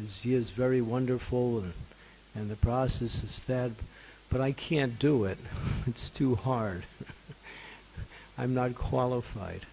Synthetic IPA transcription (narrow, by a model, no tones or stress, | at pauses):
zjɪɹzvɛɹiwʌ̃ndə˞fl̩̃ˠn | ɨ̃nðɨpʰɹ̥ɔsɛsɨz̥ðɨt̚ | b̥ʌɾaɪkʰæ̃nd̥əɪt̚ɨtstʰuhɑɹd | ãɪ̃mnət̚kʰw̥ɑlˠəfa̰ɪd̥